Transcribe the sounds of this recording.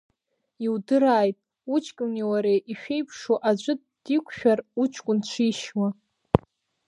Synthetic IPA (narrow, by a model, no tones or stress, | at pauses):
iwdɨɾaːjtʼ | ut͡ʃʰʼkʲʼʊniwaɾejʔiʃᶣejpʰʂoʔad͡ʒʷʼɨd̚ | d̥ikʷʰʼʃᶣarut͡ʃʰkʷʼʊnt͡ʃʷʰiʃwa